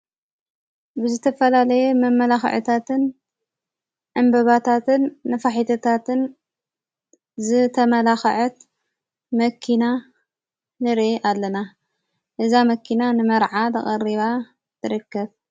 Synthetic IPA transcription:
bɨzɨt̪ʰɐfɐlalɐjɛmɐmːɐlaxʕɨ̰t̪ʰat̪ɨn | ʕɨmbɐβat̪ʰat̪ʰɨnːɐfaħit̪ʰɐt̪ʰat̪ʰɨn | zɨt̪ʰɐmɐlaxɐ̰ʕɐt̪ | mɐkʰːina | nɨɾeʔalːɐna | ʔɨzamɐkʰːinanɨmɐɾʕat̪ɐ̰χʼɐriβa | t̪ʰɨɾɨkʰːɐβ

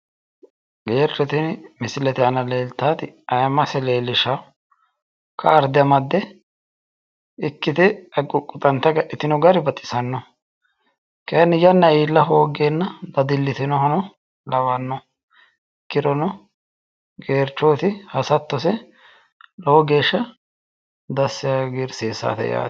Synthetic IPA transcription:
ɡ̥e̞ːrːɛt̪ɪnmɪsɪlɛt̪ɪɐnɐleːlt̪ːaːt̪ɪɐjɐmɐsɛleːlːɪʃa | kʰɐːɾd̪ɪɐmɐd̪ːɛ | ɪkːɪt̪ɪɐɡʼʊkʼːʊt̪ʼɐnt̪ːɐɡɐʔɪt̪ɪnɔɡɐɾɪbɐt̪ʼɪ̥sɐnːɔ | kɐjnːɪjɐnːɐiːlːɐɦoːɡeːnːɐbɐd̪ɪlːɪt̪ɪnɔɦɐnɔ | lɐwɐnːɔ | kːɪɾɔnɔ | ɡe̞ːɾt͡ʃːoːt̪ɪhɐsɐt̪ːɔsɛ | lɔɔɡe̞ːʃːɐ | d̪ɐsːɪjaɡɪɾseːsːa̰ːt̪ɛ̰ja̰ː

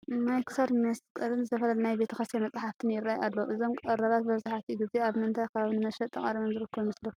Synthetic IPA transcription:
najkʰɨ̥saɾmnɐskʼɐɾɨnzɨt̪ʰɐfɐlɐlnajbe̞t̪ʰɐxɐst̪janmɐt͡sʼħaft̪ʰɨnjɪrːajalːɐʔɨzo̞mkʼɐɾaβat̪̚bɐβzaħat̪ʰiɡɨzeaβmɨnt̪ʰajkʰɐβaβnɨmɐʃɐt̪ʼːɨχʼɐɾimɐnzɨɾɨkʰːɐβmɨslɐ

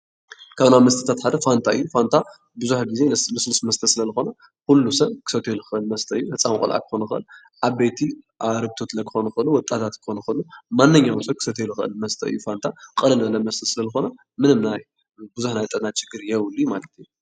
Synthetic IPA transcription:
kʰaβnaβmɐst̪ʰɐ̥t̪ʰat̪ħad̪ɐfant̪ʰaʔɨ̰jːufant̪ʰa | bɨzuħɡize̞nmɨslɨsmɐst̪ʰɐsɨlɐzɨxo̞nɐ | kulːusɐβkʰɨ̥sɐt̪ʰeluxɨʔɨlmɐst̪ʰɐɨjːuhɨt͡sʼːamkʼṵlʔa̰kʰɨ̥xonɐxɨʔɨ̰l | ʔaβbejt̪ʰi | aɾɨɡ̚t̪ʰot̪lɐkʰɨ̥xonɐxɨʔɨlːuwɔt̪ʼat̪ʰat̪kʰɨ̥xonɐxɨɨlːumanːɨɲːawsɐb̚kʰɨ̥sɐt̪ʰeluxɨʔɨ̰lmɐst̪ʰɐɨ̰jːufant̪ʰakʼɨɾɐnɐlːɐmɐst̪ʰɐsɨlɐzɨxo̞nɐ | mɨnɨmnaj | bɨzuħnajt̪ʼɐnat͡ʃɪɡɨɾjɛwlːimalɐt̪ɨjːu

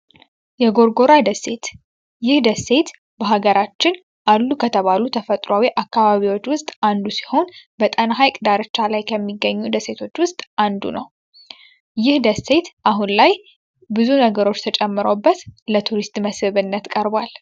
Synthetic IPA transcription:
jɛɡo̞ɾɡo̞ɾad̪əse̞t̪ | jɪhd̪əsːe̞t̪ | bəɦaɡəɾat͡ʃːɪn | ʔalːukʰət̪ʰəβalut̪ʰəfət̪ʼɾawiʔakːaβaβiwo̞t͡ʃːwʊst̪ʼand̪usi̥ho̞nbət̪ʼənɦajkʼɨd̪aɾɨt͡ʃːalajkʰəmːiɡːəɲːud̪əse̞t̪ʰo̞t͡ʃːwʊst̪ʼand̪ṵnəw | jɪhd̪əsːe̞t̪ʔaɦunlaj | bɨzunəɡəɾo̞t͡ʃːt̪ʰət͡ʃʼɛmːɨɾobːət̪lət̪ʰuɾist̪ʼməshɨβɨnːət̪kʼəɾbwal

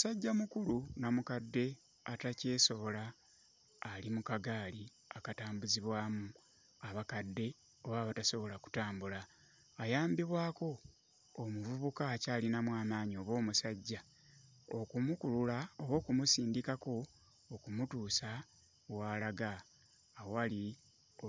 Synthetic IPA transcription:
musaɟːamukuɾunamukadːe̞ | atace̞ːso̞βo̞laː | limukaɡaːli | akataːmbuziβwaːmu | aβakadːe̞ | oβaːβataso̞βo̞laku̥taːmbulaː | jaːmbiβwaːko̞ː | muvuβukacaːlinamwaːmaːɲio̞βwo̞ːmusaɟːa | o̞kumukululao̞βwo̞ːkumusiːndikako̞ː | kumutuːsa | waːlaɡaː | ali | o

